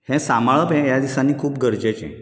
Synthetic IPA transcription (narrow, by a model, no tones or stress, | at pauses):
hɛ̃samaɭəpɦɛ̃jad̪isanːiːkʰuːp̚ɡʱəɾd͡ʑet͡ɕɛ̰̃